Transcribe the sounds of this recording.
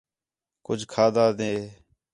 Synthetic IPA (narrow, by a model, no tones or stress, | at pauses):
kʊd͡ʒʱkʰaːd̪aːd̪ẽː